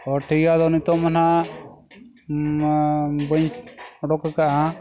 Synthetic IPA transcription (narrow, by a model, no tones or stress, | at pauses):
ɔʈʰiɡad̪ɔnit̪ɔmana | bɔɲɔɖɔkakaʔa